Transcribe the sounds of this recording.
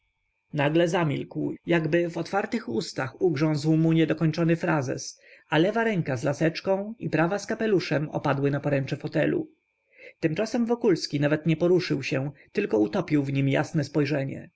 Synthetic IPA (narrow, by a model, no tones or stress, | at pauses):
naɡlɛzamʲilkwjaɡbɘvɔt̪faɾt̪ɘxust̪axuɡʐɔ̃w̃zwmuɲɛd̪ɔkɔɲt͡ʂɔnɘfɾazɛ̰s | alɛvaɾɛŋkazlasɛt͡ʂkɔ̃w̃ipɾavaskapɛluʂɛmɔ̰pad̪wɘnapɔɾɛnt͡ʂɛfɔt̪ɛlṵ | t̪ɘmt͡ʂasɛmvɔkulskʲinavɛt̪ɲɛpɔɾuʂɘwɕɛt̪ɘlkɔut̪ɔpʲiwvɲimja̰snɛspɔjʐɛɲɛ̰